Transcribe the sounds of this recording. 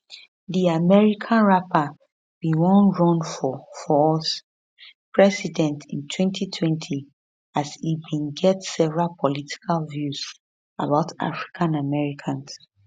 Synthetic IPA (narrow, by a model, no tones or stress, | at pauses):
ðiamɛɹikʰãnɹapʰa | b̥iwɔ̃nɹɔ̃nfɔfɔɔs | pʰɹɛsidɛ̃ntʰĩntʰwɛ̃ntʰitʰwɛ̃ntʰi | asibĩnɡɛtsɛvɹalpʰɔlitʰi̥kʰalvjuz | a̰baʊtʰa̰fɹi̥kʰãnamɛɹikʰãns